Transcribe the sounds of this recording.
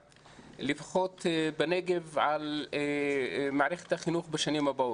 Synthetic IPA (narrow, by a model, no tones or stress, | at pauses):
lifχot̪beneɡevʕal | maʕɾeχet̪haχinuχbeʃanimhabaʔot